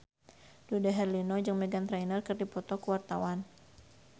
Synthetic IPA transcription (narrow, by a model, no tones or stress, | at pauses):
dudaɦɛrlinɔd͡ʒɨŋmɛɡant̪ɾainərkɨrdipɔt̪ɔkuwart̪awan